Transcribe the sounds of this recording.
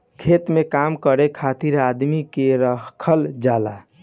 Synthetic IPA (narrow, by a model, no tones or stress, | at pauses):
kʰet̪mekamkəɾekʰat̪iɾad̪mikeɾəɦkʰəld͡ʒala̰